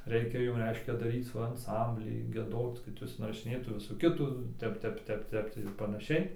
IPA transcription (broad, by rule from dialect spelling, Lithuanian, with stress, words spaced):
ˈrʲɛɪkʲɛ ˈjʊm ˈrʲɛɪʃʲkʲɛ dɐˈrʲiːt͡s ˈʋɐ ɐnˈsɐmʲbʲlʲiː ɡʲiɛˈdoːt͡s kɐt ˈjʊs ɪnrɐʃʲɪˈnʲeːtuː ˈʋʲɪsuː ˈkʲɪtuː ˈtʲɛp ˈtʲɛp ˈtʲɛp ˈtʲɛp tʲiː ɪr pɐnɐˈʃʲɛɪ